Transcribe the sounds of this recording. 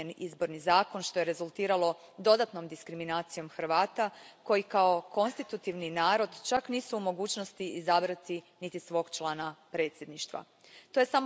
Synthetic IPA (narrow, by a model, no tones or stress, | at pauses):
enḭzbo̞ɾnizaːko̞nʃt̪o̞je̞ɾe̞zulˠt̪iːɾalˠo̞ | d̪o̞d̪at̪no̞md̪iskɾiminaːt̪sijo̞mxɾ̩ʋaːt̪ako̞jikao̞ko̞nst̪it̪ut̪iʋninaːɾo̞d̪t͡ʃakniːsuːmo̞ɡuːt͡ʃno̞st̪iizabɾat̪i | nit̪isʋo̞ːɡt͡ʃlˠaːnapɾe̞ːt̪sje̞d̪niʃt̪ʋa̰ | t̪o̞jesamo